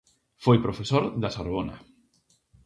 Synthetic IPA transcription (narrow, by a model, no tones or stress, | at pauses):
fojpɾofesoɾðasaɾβona̰